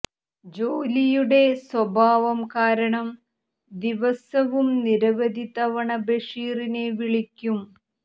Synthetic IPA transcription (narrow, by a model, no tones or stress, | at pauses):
d͡ʑoːlijuɽe̞swɐbʱaːʋɐmkaːɾɐɳɐm | d̪iʋɐsɐʋumniɾɐʋɐd̪ʱit̪ɐʋɐɳɐbeʂiːrineʋiɭikʲːum